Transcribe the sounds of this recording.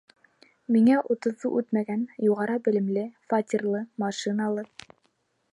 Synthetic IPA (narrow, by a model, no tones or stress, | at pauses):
miŋæʔut̪ɤ̆ðuʔʉt̪mæɡænjuʁɑɾɑbɘ̆lɘ̆mlɘfat̪ʲirlˠɤmɑʃinɑlˠɤ